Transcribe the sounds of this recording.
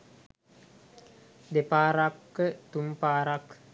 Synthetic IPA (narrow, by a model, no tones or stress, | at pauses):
d̪epaːɾakːət̪umpaːɾak